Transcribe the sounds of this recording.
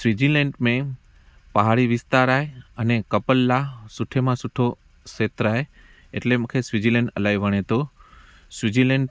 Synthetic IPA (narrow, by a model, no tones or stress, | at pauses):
sʋid͡ʒileɳʈmẽ | pəɦaɭiʋɪst̪aɾajənekəpəlːasuʈʰemãsuʈʰo | ʃet̪ɾaj | ḛʈleməkʰesʋid͡ʒileɳʈəlajʋəɽ̃et̪o | sʋid͡ʒileɳʈ